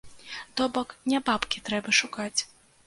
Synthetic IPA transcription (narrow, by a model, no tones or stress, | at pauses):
t̪ɔbɔknʲɛbapkʲit̪ɾɛbɐʂukat͡sʲ